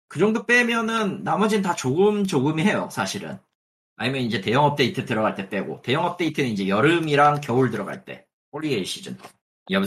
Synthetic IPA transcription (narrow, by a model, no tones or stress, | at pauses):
kɯd͡ʑʌŋdop͈e̞mjʌnɯnːamʌd͡ʑinntat͡ɕoɡɯmd͡ʑoɡɯmiɦe̞jo̰sʰaɕʰiɾɯ̰n | a̰ɲimjʌnind͡ʑe̞te̞jʌŋʌp̚t͈e̞itʰɯtɯɾʌɡaɭt͈e̞p͈e̞ɡo̰te̞jʌŋʌp̚t͈e̞itʰɯnɯnid͡ʑe̞jʌɾɯmiɾaŋkjʌuɭdɯɾʌɡa̰ɭt͈e̞̰ | oɭːieɕ͈ʰid͡ʑɯ̰n | iʌ